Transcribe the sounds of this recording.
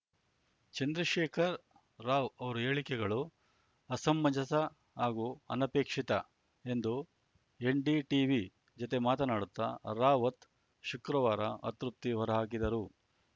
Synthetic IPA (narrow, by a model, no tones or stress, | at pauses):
t͡ʃɐnd̪ɾɐʃeːkʰɐɾː | aːʋɐʋɐɾue̞ːɭikɛɡɐɭu | ɐsɐmːɐd͡ʒɐsɐ | ɦaːɡuɐ̰nɐpeːkʂit̪ɐ | e̞nd̪u | e̞ɳɖiʈiːʋi | d͡ʒot̪e̞maːt̪ɐnaːɽut̪ːɐ̰ɾaːʋɐt̪ | ʃukɾɐʋaːɾɐʔɐt̪ɾup̚t̪iʋɐɾɐɦaːk̬id̪ɐɾu